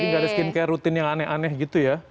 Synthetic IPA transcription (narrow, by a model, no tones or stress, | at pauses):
iŋɡadaskɪnkajaɾut̪ɪnjaŋanɛɦanɛhɡit̪uja